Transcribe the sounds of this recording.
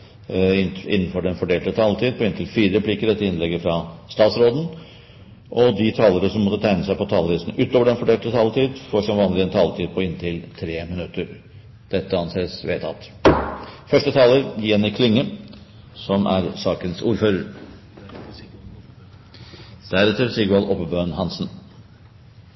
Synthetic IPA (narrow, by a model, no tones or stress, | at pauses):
ɪnɪ̰nːn̩fɔɖɛnfɔɖeːlt̪ət̪ʰɑːlət̪ʰiːd̪̚pʰɔɪnt̪ʰɪlfiːɾəɾɛpʰliːkəɾɛt̪ːəɪnlɛɡːəfɾɑst̪ɑːt̪sɾoːd̪n̩ | ʔɔd̪ɪt̪ʰɑːləɾəsɔmːɔt̪ːət̪ʰæɪnəsæɪpɔt̪ʰɑːləʋiːsn̩ʉːt̪oːʋəɖɛnfɔɖeːlt̪ət̪ʰɑːlt̪ʰiːd̪fɔʂɔmʋɑːnlɪɛnt̪ʰɑːlət̪ʰiːd̪̚pʰɔɪnt̪ʰɪlt̪ʰɾeːmɪnʉt̪ːəɾ | d̪̥ɛt̪ːəɑnseːsʋeːt̪ʰɑ̰t̪ | fœʂʈət̪ʰɑːləɾjɛnɪkʰlɪŋːə | sɔmʔæ̰ɾsɑːkənsuːɾføːɾəɾ | d̪̥æɾɛt̪ːəɾsɪɡɑlʔɔpːəbøːnhɑnsən